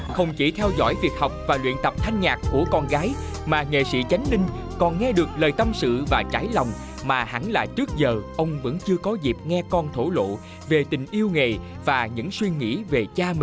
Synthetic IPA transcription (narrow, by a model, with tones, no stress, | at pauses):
xə˧wŋ͡mt͡ɕi˧˩t̪ʰɛ˧wzɔ̰˧˥jvi˨˩ət̚hɔ˨˩wk͡p̚vaː˨˩lwḭ˧˨ənt̪ə˨˩p̚t̪ʰa˧jŋ̟ɲaː˨˩kku˧˩əkɔ˧nɣaː˨˦j | maː˨˩ŋḛ˧˨sḭ˧˥t͡ɕa˨˦jŋ̟lï˧ŋ̟kɔ˨˩nŋɛ˧ɗɨ˨˩ək̚ləː˨˩jt̪ə˧msɨ̰˧˨vaː˨˩t͡ɕaː˧˦jlɔ˨˩wŋ͡m | maː˨˩ha̰˧˥nla̰ː˧˩t͡ɕɨ˦˥ək̚zəː˨˩ʔə˧wŋ͡mvɨ̰˧˥nt͡ɕɨ˧əkɔ˨˦zi˨˩p̚ŋɛ˧kɔ˧nt̪ʰo˧˩lo̰˧˨ | ve˨˩t̪ï˨˩ŋ̟ʔi˧əwŋe˨˩ | vaː˨˩ɲɨ̰˧˥ŋswi˧ŋḭ˧˥ve˨˩t͡ɕaː˧˨